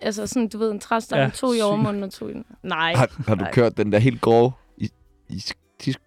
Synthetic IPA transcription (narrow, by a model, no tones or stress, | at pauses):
ælsəsɔ̽nd̥uʋe̝ð̰ˠent͡sʰʁasd̥ɑt͡sʰo̝̰ːiɒʊɐmɔ̽ːnn̩ɒt͡sʰo̝̰ːid̥ennɑɪ̰hɑhɑ̈d̥ukʰøɐ̰d̥ːend̥ɛɐɦe̝̰ːld̥̚ɡ̥ɒː | i | is | t͡sʰisɡ̥